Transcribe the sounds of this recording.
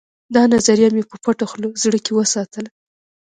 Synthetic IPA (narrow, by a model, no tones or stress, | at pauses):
d̪ɑnazaɾijamepəpaʈaxlozɽəkewəsɑt̪əl